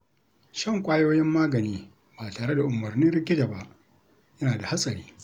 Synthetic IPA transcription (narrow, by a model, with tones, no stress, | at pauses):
ʃɐ˦˨ŋkʷʼaː˦joː˦jɪ˦mːaː˦ɡɐ˨niː˦ | baː˨taː˨ɽe˦da˨ʔʊ˨mɐ˨rnɪ˦ɾɪ˦kʲɪ˦da˨ba˦ʔ | jɐ˦naː˨da˨ha˦sʼɐ˨ɽiː˦